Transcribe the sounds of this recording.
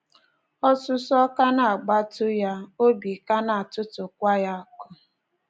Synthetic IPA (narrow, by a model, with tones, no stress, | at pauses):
ɔ˦sʊ˦sɔ˦ka˦na˨a˨ɡ͡ba˦tʊ˦ja˦o˦bi˨ka˦na˨a˨tʊ˦tʊ˨kʷa˦ja˦kʊ˦